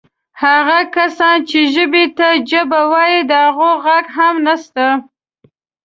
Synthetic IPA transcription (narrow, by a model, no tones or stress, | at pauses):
haɣakasɑnt͡ʃeʒəbet̪ad͡ʒəbawɑjid̪əhaɣoɣaɡɦamnast̪a